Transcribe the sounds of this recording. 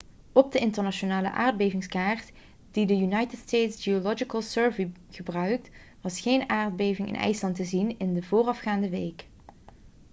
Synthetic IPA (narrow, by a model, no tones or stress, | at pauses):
ɔb̚dəɪntəɹnaʃonaːlə̰ʔa̰ːɹd̚bejvɪŋskaːɹt | d̥idəjynɑjtətstejtsɡiolɔd͡ʒikəlˠsøːɹviχəbrœɥk̚t | ʋɑsχejnaːɹd̚bejvɪŋɪ̰nʔɛ̰jslɑntəzinɪndəvʊːrɑfχaːndəʋejk